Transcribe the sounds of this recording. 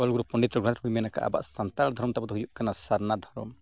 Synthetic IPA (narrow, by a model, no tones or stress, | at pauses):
ɔlɡuɾupɔɳɖit̪ɾɔɡɾɔ̃nt̪ɾɔbimɛnaka̰ʔa̰ba̰ʔsant̪ald̪ʱɔɾmt̪abɔd̪ɔɦujuʔkanasaɾnad̪ʱɔɾɔm